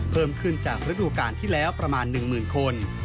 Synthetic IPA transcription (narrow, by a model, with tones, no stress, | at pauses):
pʰɤː˥˩mkʰɯ˥˩nt͡ɕaː˨˩k̚ɾa˦˥duː˧kaː˧nt̪ʰiː˥˩lɛː˦˥wpɾa˧maː˧nːɯ˨˩ŋmɯː˨˩nkʰo˧n